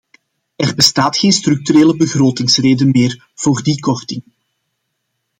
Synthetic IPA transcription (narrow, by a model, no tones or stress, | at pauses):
ɛrbəstaːtxeːnstrʏk̚tyɾeːləbəɣroːtɪŋsreːdənmeːr | v̥oːrdikɔrtɪŋ